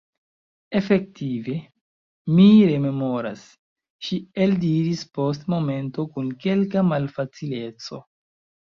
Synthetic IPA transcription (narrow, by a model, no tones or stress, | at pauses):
e̞fe̞k̚tive̞ | miɾe̞me̞mo̞ɾa̰s | ʃieldiɾispo̞s̬tmo̞me̞nto̞kunke̞lkamalfat͡sile̞t͡so̞̰